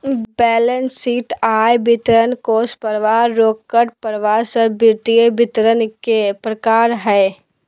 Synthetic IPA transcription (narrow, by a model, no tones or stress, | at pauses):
bɛːlənsiːʈaːjbɪt̪ɾənkoːspəɾʋaːoːkkːəɾpəɾʋaːsəbɪɾt̪iebɪt̪ɾənkepɾəkaːɾɦɛː